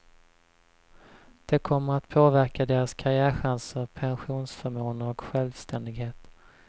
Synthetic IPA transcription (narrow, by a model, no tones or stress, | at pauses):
d̪̥ɛkʰɔmːəɾat̪pʰoːvæɾkad̪eːɾaskʰaɾɪæːɾɧansəɾpʰɛnɧuːnsfœɾmoːnəɔkɧɛlvst̪ʰɛnd̪ɪɡɦeːt̪